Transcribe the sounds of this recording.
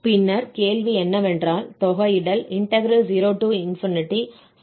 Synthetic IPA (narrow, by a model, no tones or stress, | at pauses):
pɪnːɐɾkeːlʋiɛnːɐʋɛndraːlt̪ɔɣɐɪɽɐlɪɳʈɐɡɾɐd͡ʒiɾoːʈuːɪnfɪnɪʈːi